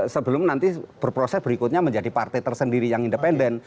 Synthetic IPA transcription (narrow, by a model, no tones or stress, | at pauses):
səbəlʊmnant̪ib̥ərpɾosɛsb̥əɾikʊt̪̚ɲaməɲd͡ʒadipart̪ɛjt̪ərsəndiɾijaŋindəpɛndɛn